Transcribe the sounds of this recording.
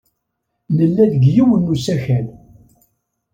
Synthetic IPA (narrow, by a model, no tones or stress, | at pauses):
nəlːæðəɡjiwənːusæçæl